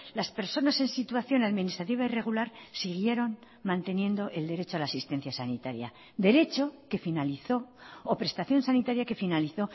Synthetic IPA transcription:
laspe̞ɾso̞nase̞nsit̪waθjo̞naðminist̪ɾat̪̬iβ̞aire̞ɣ̞ulaɾsiɣ̞je̞ɾo̞n | mãnt̪e̞njẽ̞nd̪o̞ʔe̞ld̪e̞ɾe̞t͡ʃoalaːsist̪e̞n̟θjasanit̪aɾja̰ | d̪e̞ɾe̞t͡ʃo̞ke̞finaliθo̞ːpɾe̞st̪aθjo̞nsanit̪aɾjake̞finaliθo̞

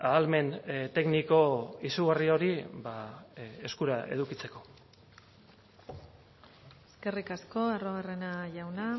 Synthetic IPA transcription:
aːlme̞nt̪e̞ɡniko̞isuɣario̞ɾibae̞skuɾaʔe̞̰ðukit͡se̞ko̞ | eske̞rikasko̞aroɣarenaʝawna

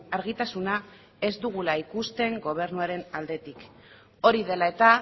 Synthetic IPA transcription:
aɾɣit̪asuna | e̞zd̪uɣ̞ulaikust̪e̞ŋɡo̞β̞e̞ɾnuaɾe̞nald̪e̞t̪ik | o̞ɾiðe̞lae̞t̪a

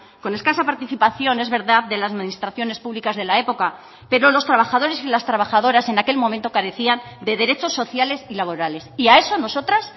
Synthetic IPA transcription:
ko̞ne̞skasapaɾt̪iθipaθjo̞ne̞zβe̞ɾðaððe̞lasminist̪ɾaθjo̞ne̞spuβlikazðe̞lae̞po̞ka | pe̞ɾo̞lo̞st̪ɾaβaxaðo̞ɾe̞silast̪ɾaβ̞axað̞o̞ɾase̞nake̞lmomẽnt̪o̞kaɾe̞θiand̪e̞ðe̞ɾe̞t͡ʃo̞sːo̞θjale̞silaβo̞ɾale̞siae̞so̞no̞so̞t̪ɾas

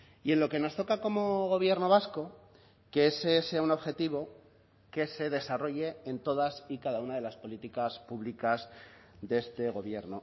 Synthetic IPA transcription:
ie̞nlo̞ke̞no̞st̪okako̞mo̞ɣ̞o̞β̞je̞ɾno̞βasko̞ | keeseseauno̞βxe̞t̪iβ̞o̞ | ke̞se̞ðe̞saro̞ʝe̞ent̪o̞ðasikaðaunað̞e̞laspo̞lit̪ikaspuβlikaz | ðee̞st̪e̞ɣ̞o̞βje̞ɾno̰

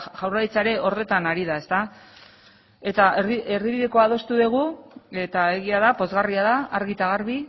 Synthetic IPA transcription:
ʝawrait͡saeɾe̞ʔo̞ɾðe̞t̪anaɾiðae̞st̪a | e̞t̪aeieɾðiβiðe̞ko̞að̞o̞st̪uðeɣ̞ue̞t̪ae̞ɣiaðapo̞zɣariaðaːɾɣit̪aɣaɾβi

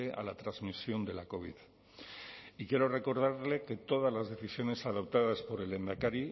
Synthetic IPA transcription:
ea̰lat̪ɾazmisjo̞nd̪e̞lako̞βið | ikje̞ɾo̞re̞ko̞ɾð̞aɾle̞ke̞t̪o̞ð̞azlazðe̞θisjo̞ne̞sað̞o̞p̚t̪aðaspo̞ɾe̞le̞nd̪akaɾi

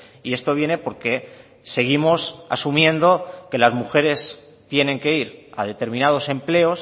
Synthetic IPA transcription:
iest̪o̞β̞je̞ne̞po̞ɾke̞ | se̞ɣ̞imo̞sa̰sumjẽ̞nd̪o̞ke̞lazmuxe̞ɾe̞s | t̪je̞ne̞ŋke̞iɾa̰ðe̞t̪e̞ɾmĩnað̞o̞se̞mple̞o̞s

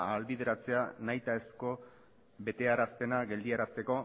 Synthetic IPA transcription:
alβið̞eɾat͡se̞anajt̪ae̞sko̞ | βe̞t̪e̞aɾaspe̞naɡe̞ld̪iaɾast̪e̞ko̞

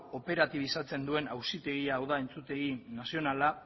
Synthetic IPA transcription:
o̞pe̞ɾat̪iβ̞isat͡se̞nd̪ue̞nawsit̪e̞ɣ̞iaːwðae̞nt͡sut̪e̞ɣinasio̞nala

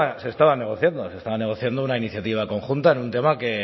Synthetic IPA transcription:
se̞st̪aβane̞ɣ̞o̞θjand̪o̞se̞st̪aβane̞ɣ̞o̞θjand̪ounainiθjat̪iβ̞ako̞ŋxunt̪aenunt̪e̞make̞

